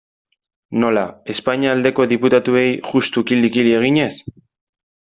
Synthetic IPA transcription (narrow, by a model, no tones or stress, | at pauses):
no̞lae̞spaɲiaːld̪e̞ko̞ðiput̪at̪ue̞jʝust̪ukild̪ikilie̞ɣ̞iɲe̞s